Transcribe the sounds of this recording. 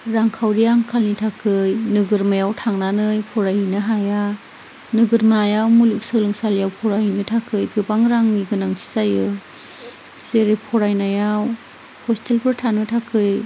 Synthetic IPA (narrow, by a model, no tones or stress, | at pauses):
ɾaŋkʰawɾijaŋkʰalnitʰakʰɯjnɯɡɯɾmajawtʰaŋnanɯjpʰɔɾajhɯnɯɦaja | nɯɡɯɾmajawmuluk̚sɯlɯŋsaljawpʰɔɾaɦhinɯtʰakʰɯjɡɯbaŋɾaŋniɡɯnaŋtʰi̥sajɯ | seɾejpʰɔɾajnajaw | hɔstʰelpʰɯɾtʰanɯtʰakʰɯj